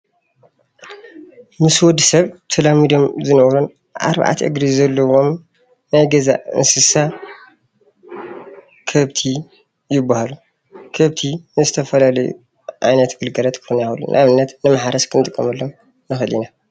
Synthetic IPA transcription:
mɨswɔd̪ɨsɐβt̪ʰɐlamid̪omzɨnɐwɾon | ʔa̰ɾβa̰ʕa̰t̪ʰʔɨ̰ɡɾizɐlːɐwo̞m | najɡɐza̰ɨ̰nsɨsa | kʰɐβt̪ʰi | jɪbːahalu | kʰɐβt̪ʰinɨzɨt̪ʰɐfɐlalɐjṵ | ʔajnɐt̪ɡɨlɡɐlɐt̪kxʰunawulːṵnʔaβɨnːɐt̪nɨmaħaɾɐskʰɨnt̪ʼɨkʼːɐmɨlːom | nɨxɨlina

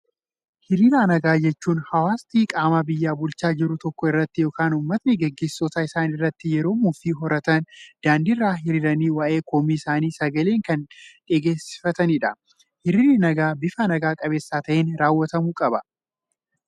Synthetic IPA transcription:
hɪɾiːɾaːnɐɡaːd͡ʒɛt͡ʃːuːnhɐwaːst̪iːkʼaːmaːbɪjːaːbʊlt͡ʃaːd͡ʒɪɾʊt̪ɔkːɔɪrːɐt̪ːɪjo̞ːkaːnuːmːɐt̪nɛɡɛɡːe̞ːsːɔt̪aːɪsaːnɪrːɐt̪ːɪjɛɾo̞ːmʊfiːɦɔɾɐt̪ɐnd̪̥aːnd̪irːaːɦɪɾɪɾɐniːwɐʔe̞ːkʰoːmiːɪsaːniːsɐɡɐleːŋkɐnᶑɛːɡeːsɪ̥fɐt̪ɐnɪᶑɐ | hɪɾɪɾɪnɐɡaːbɪfanɐɡaːkʼɐbe̞ːsːaːt̪ɐʔeːnɾaːwːɐt̪ɐmuːkʼɐbɐ

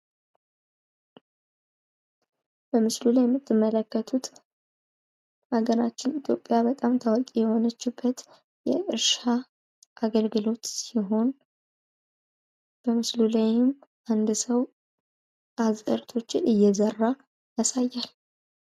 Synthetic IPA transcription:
b̥əmɨslulajɛmːɨt̪ʰːɨmːələkːət̪ʰut̪ | ʔaɡəɾat͡ʃːɪnit̪ʰʼjo̞pʼːjabət̪ʼamt̪ʰəwɔkʼijɛho̞nət͡ʃːɪbːət̪ | jɛʔɨɾʃa | ʔaɡəlɡɨlo̞t̪siɦo̞n | b̥əmɨslulajɪmʔand̪səw | ʔazʼəɾt̪ʰo̞t͡ʃːɪnɨjːɛzərːa | jasajːal

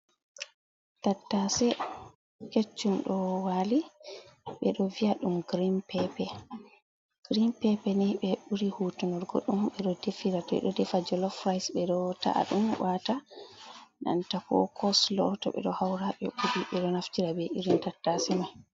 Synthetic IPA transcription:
tatːasɛ | ket͡ʃːumɗɔwali | ɓɛɗɔviaɗumɡɾimpɛpɛ | ɡ̥ɾimpɛpɛniɓɛɓuɾihutunɔɾɡɔ̰ɗːumɓɛɗɔdefiɾatɔ̰j̰ɗɔdɛfad͡ʒɔlɔfɾajsɓɛɗɔta̰ʔa̰ɗumwʔata | na̰ntakɔ̰kʰɔslɔtɔ̰ɓɛ̰ɗɔhawɾaɓɛ̰ɓuɾiɓɛɗɔnaftiɾabɛʔiɾintatːasɛmaj

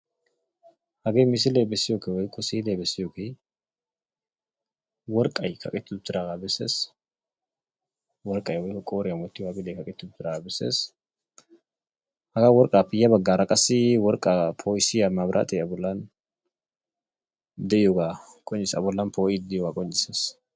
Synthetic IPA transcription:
hɐɡeːmɪs̬ɪleːbɛsːɪjoːkewɔjkːɔsiːleːbɛsːɪjoke | wɔɾkʼɐjkʰɐkʼɪt̪ːʊt̪ːɪɾaɡabɛsːḛːs | wɔɾkʼɐjwɔjkɔkʼoːɾɪjɐmɔt̪ːɪwakʼɪlekɐkʼɪt̪ːʊdʊt̪ɪɾaabɛsḛːs | hɐɡawɔɾkʼaːpɪjːɐbɐɡːaːɾɐkʼɐsɪwɔɾkʼapʰoːɪsɪjɐmabɾʔa̰t̪ʼɛɐbʊlːan | d̪ɛjɔɡakʼɔɲːɪsɐbʊlːanpʰoːʔɪd̪ɪjɔɡakʼɔɲːɪses

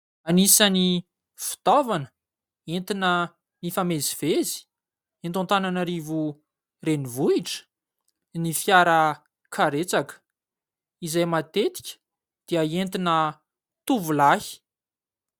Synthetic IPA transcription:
anisani | fi̥t̪avanə̥ | ent̪inə | nifameziv̥ezi̥ | ent̪unt̪ananaɾivu | renivuiʈ͡ʂə̥ | nifjaɾə | kʰaɾet͡sakə̥ | izajmat̪et̪i̥kʲə̥ | d̪̥iəent̪inə | t̪uvulahi̥

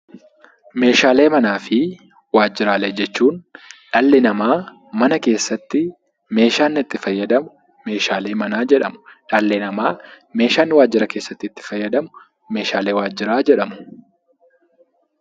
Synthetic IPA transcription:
me̞ːʃaːle̞ːmɐnaːfɪ | waːd͡ʒːɪɾaːlɛd͡ʒɛt͡ʃːuːnᶑɐlːɪnɐmaː | mɐnɐke̞ːsːɐt̪ːɪ | me̞ːʃaːnːɪt̪ːɪfɐjːɐd̪ɐmʊ | me̞ːʃaːle̞ːmɐnaːd͡ʒɛᶑɐmʊ̥ᶑɐlːɛnɐmaː | me̞ːʃaːnɪwaːd͡ʒːɪɾɐke̞ːsːɐt̪ːɪt̪ːɪ̥fɐjːɐd̪ɐmʊ | me̞ːʃaːle̞ːwaːd͡ʒːɪɾaːd͡ʒɛᶑɐmʊ̥

